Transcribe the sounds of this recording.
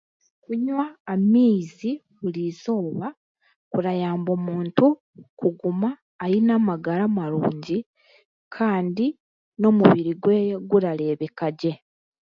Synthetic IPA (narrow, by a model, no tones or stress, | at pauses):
kuɲwaːmiːzi | βuliːzo̞ːβa | kuɾajaːmbo̞ːmuːntu | kuɡumaː | ɾinaːmaɡaɾamaɾuːɲɟi | kʰaːndi | no̞muβiɾiɡweɡuɾale̞ːβekaɟe̞